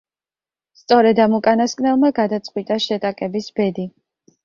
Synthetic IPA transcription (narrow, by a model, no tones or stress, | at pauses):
st̪sʼɔɾɛd̪amukʼanaskʼnɛlˠmaɡad̪at̪sʼqʼwit̪ʼaʃɛt̪ʼakʼɛbisbɛd̪i